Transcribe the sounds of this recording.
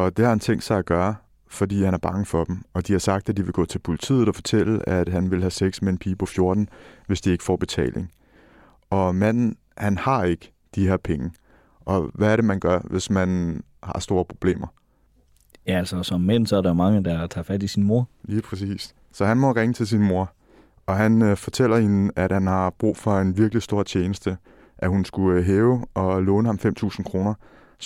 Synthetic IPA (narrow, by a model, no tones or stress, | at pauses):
ɒ̽d̥e̝hɑ̈hænt͡sʰeŋ̰d̥sɑ̈ɪæɡ̥ɶːɐ | fɒ̽dḭːhænæɐb̥ɑ̈ŋəfɒ̽d̥m̩ɒ̽d̥ihɑ̈sɑ̈ɡ̥̚d̥æd̥iʋe̝ɡ̥ɔ̰̽ːt͡sʰe̝lpʰo̝lit͡sʰḭːð̩ˠɒfɒ̽t͡sʰel̰əæd̥ɦænʋe̝lɦæseɡ̥smenpʰiːpʰɒ̽fjo̝ɐd̥n̩ʋe̝sd̥ie̝ɡ̥fɒ̰ːb̥e̝t͡sʰɛ̰ːlʔe̝ŋ | ʔɒ̽mæn̰n̩ | hænhɑ̈e̝ɡ̥ə̥ | d̥iheɐ̰pʰeŋə | ʔɒ̽ʋæːɐɾe̝mænɡ̥ɶɐʋe̝smæn | hɑ̈sd̥o̝ːɐpʰʁo̝b̥le̝̰ːmɐ | jæælsɐsɒmːen̰sɒæɐɾɑomɑ̈ŋəd̥ɑt͡sʰɑ̰̈ːfæd̥isinmo̝ɐliːpʰʁɛsḭːs | sɒ̽ɦænmɒ̽ʁeŋət͡sʰe̝ls̬inmo̝ɐ | ɒ̽ɦænfɒ̽t͡sʰel̰ɐhenæd̥hænhɑ̈b̥ʁṵːfɒ̽e̝nʋiɐɡ̥lisd̥o̝ɐ̰t͡ɕʰeːnəsd̥ə | ʔæhunsɡ̥uɦeːʊʔɒ̽lɔ̽ːnəhɑ̈mfem̰t͡sʰṵːsn̩kʰʁo̝ːnɐ